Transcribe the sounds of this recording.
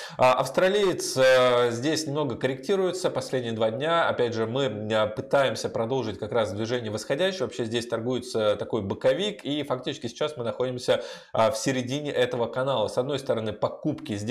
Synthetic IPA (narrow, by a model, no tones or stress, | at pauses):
ʔɐ̰fst̪ɾɐlʲijɪt̪səzʲdʲesʲnʲɪmno̞ɡəkəɾʲɪktʲiɾʊjɪt̪səpɐsʲlʲedʲnʲɪjəd̪vadʲnʲaɐ̰pʲædʲʐɨmɨpɨt̪ajɪmsʲəpɾɐd̪o̞lˠʐɨtʲkɐkɾasvd̪vʲɪʐɛnʲɪjəvəsxɐdʲæɕːɪjvɐpɕːezʲdʲesʲt̪ɐrɡujɪt̪sət̪ɐko̞jbɨkɐvʲikifɐk̚tʲit͡ɕɪ̥skʲɪsʲɪ̥t͡ɕːasmɨnɐxo̞dʲɪmsʲə | fsʲɪɾʲɪdʲinʲɪʔɛt̪əvəkɐnalˠəsɐd̪no̞jst̪əɾɐnɨpɐkupkʲɪzʲ